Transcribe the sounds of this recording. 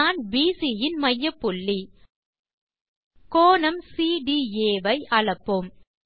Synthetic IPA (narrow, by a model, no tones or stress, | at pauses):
aːnbiːsijɪnmɐjːɐpːʊɭːi | koːnɐmsiːɖieːʋɐɪʔɐɭɐpːɯm